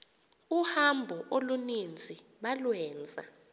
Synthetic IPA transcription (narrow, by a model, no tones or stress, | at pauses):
uhambʱɔʔolunind͡zʱiɓalwɛːnd͡zʱa̰